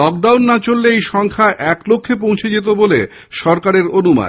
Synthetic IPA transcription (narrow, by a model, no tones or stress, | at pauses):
lɔk̚ɖawnːat͡ɕolːeejʃɔŋkʰaʔɛklokʰːep̬õw̃t͡ɕʰed͡ʑet̪̬obolḛ | ʃɔɾkaɾeɾonuma̰n